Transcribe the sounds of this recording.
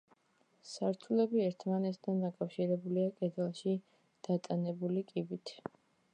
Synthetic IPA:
saɾt̪ʰulɛbiɛɾt̪ʰmanɛt̪ʰt̪ʰand̪akʼafʃiɾɛbuliakʼɛd̪ɛlˠʃi | d̪̥at̪ʼanɛbulikʼibit̪ʰ

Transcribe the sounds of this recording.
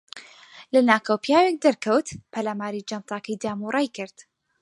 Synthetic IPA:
lɐnaːkɐwpjaːwek̚d̪ɐɾkɐwt̪pʰɐlaːmaːɾid͡ʒant̪ˤɑːkɐjd̪aːmuːɾˤɑjkɨɾd̪̥

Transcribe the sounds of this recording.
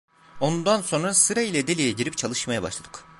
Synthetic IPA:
o̞nund̪anso̞nɾasɯɾailʲɛd̪elʲijeɟiɾip̚t͡ʃʰalˠɯʃmajaba̰ʃlˠad̪ɯ̥k

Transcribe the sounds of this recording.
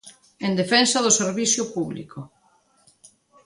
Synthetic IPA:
end̪efɛnsɐðʊseɾβiθjʊpuβlḭkʊ

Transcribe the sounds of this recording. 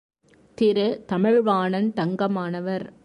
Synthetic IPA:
t̪ɪɾɯt̪ɐmɪɻʋaːɳɐnt̪ɐŋɡɐmaːnɐʋɐɾ

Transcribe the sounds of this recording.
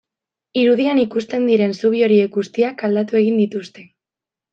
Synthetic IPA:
iɾuð̞ianikust̪e̞nd̪iɾe̞nsuβ̞io̞ɾie̞k̚ɡust̪iakald̪at̪ue̞ɣ̞ind̪it̪ust̪e̞

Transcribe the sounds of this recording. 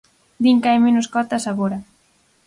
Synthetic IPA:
d̪iŋkajmenʊskɔt̪asaβoɾa

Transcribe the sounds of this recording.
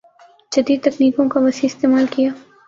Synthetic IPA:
d͡ʒɐd̪iːd̪̚t̪ɐkniːkõkaʋɐsiɪst̪eːmaːlkijaː

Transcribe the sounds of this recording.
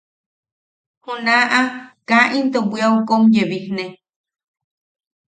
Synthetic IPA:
hunaʔakaʔint̪obʷiawkomjeβihne

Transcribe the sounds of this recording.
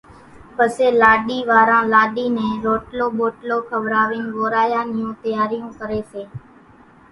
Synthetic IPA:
pəseːlaːɗiːʋaːɾãːlaːɗiːnɛ̃ːɾoːʈloːɓoːʈloːkʰəʋɾaːʋɪːnʋoːɾaːjãːnɪjõːt̪əjaːɾijũːkəɾeːseː

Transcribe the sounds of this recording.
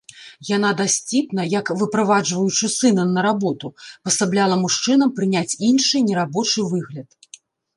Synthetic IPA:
janad̪asʲt͡sʲipnɐjɐkvɨpɾavad͡ʐvɐjut͡ʂɨsɨnɐnːɐɾabɔt̪upɐsablʲalˠɐmuʂt͡ʂɨnɐmpɾɨnʲat͡sʲinʂɨnʲɛɾabɔt͡ʂɨvɨɣlʲɐt̪̚

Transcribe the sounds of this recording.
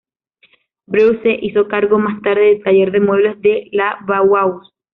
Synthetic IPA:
bɾuwseʔiso̞kaɾɣo̞mast̪aɾðeðet̪aʝe̞ɾðe̞mwe̞βle̞zðelaβawaws

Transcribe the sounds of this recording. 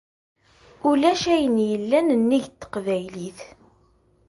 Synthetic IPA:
ulæʃæjənjəlːænənːiʝt̪ːə̥qvæjliθ

